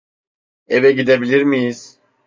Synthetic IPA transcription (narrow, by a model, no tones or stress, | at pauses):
ɛvɛɡid̪ebiliɾmijiz̥